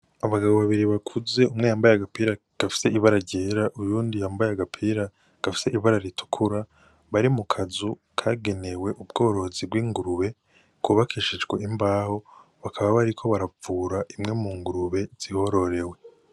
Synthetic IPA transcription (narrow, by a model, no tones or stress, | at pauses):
aβaɡaβoβaβiɾiβakʰuze̞umŋe̞jaːmbajaɡapiɾa | ɡ̥afi̥se̞iβaɾaɾɟeːɾaʔujuːndijaːmbajaɡapʰiɾa | ɡ̥afi̥se̞ʔiβaɾaɾitu̥kʰuɾa | βaɾimukʰazu | kʰaːɡe̞ne̞we̞ʔubɡo̞ːɾo̞zib̚ɡwiːŋɡuɾuβe̞ | kuːβakʰiʃid͡ʒɡwe̞imbaːho̞ | βakʰaβaβaɾikʰo̞βaɾavuːɾaʔimŋe̞muːŋɡuɾuβe̞z̥iho̞ɾo̞ɾe̞we̞